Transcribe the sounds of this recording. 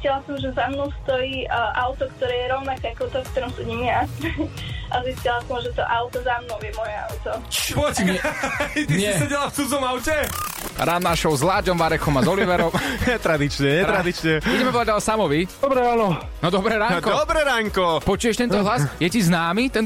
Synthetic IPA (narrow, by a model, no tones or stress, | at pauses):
iiscilasɔmʒɛzamnɔʊst̪ɔiːʔaʊt̪ɔkt̪ɔɾɛːjɛɾɔʊnakaakɔt̪ɔkt̪ɔɾɔmsuɲimɪa | ʔaziscilasɔmʒɛt̪ɔ̰ʔaʊt̪ɔzamnɔʊjɛmɔjɛa̰ʊt̪ɔt͡ʃpɔckat̪iisɛɟɛlaft͡sud͡zɔmaʊcɛɾaːnnaʃɔʊzlaːd͡ʒɔmʋaɾɛxɔmazɔliʋɛɾɔmɲɛt̪ɾad̪it͡ʃɲɛɲɛɾad̪it͡ʃɲɛbuɟɛmɛɔʋadalsamɔʋi̥ɔbɾɛaːnɔ | nɔd̪ɔbɾɛɾaːkɔɔbɾɛɾaːŋkɔpɔt͡ʃuːjɛʃt̪ɛnt̪ɔɦlasjɛciznaːmit̪ɛn